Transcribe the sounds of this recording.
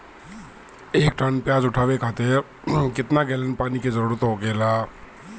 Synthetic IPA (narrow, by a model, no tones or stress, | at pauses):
eːkʈənpjaːd͡ʒʊʈʰaːʋekʰaːt̪e | kɪt̪naɡeːlənpaːnikezəɾuːɾət̪ɦoɡeːlaː